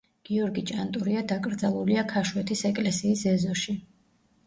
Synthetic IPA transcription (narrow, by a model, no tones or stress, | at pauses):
ɡ̥iɔɾɡit͡ʃʼant̪ʼuɾiad̪akʼɾd̪zalˠuliakʰaʃwɛt̪ʰisɛkʼlɛsiːsɛzɔʃi